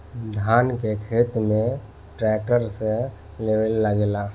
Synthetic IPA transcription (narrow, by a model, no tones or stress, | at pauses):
d̪ʱankekʰet̪mẽ | ʈɾɛk̚ʈəɾsẽ | leʋelːəɡela